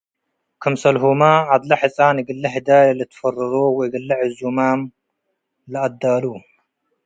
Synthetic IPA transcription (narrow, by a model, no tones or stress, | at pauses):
kʰɨmsɐlɦumaad̪lɐħɨt͡sʼanɨɡɨlːɐħɨd̪ajlɨt̪ʰɨ̥fɐrɐɾowɔjɡɐlːɐʕɨzumam | lɐʔɐd̪ːalu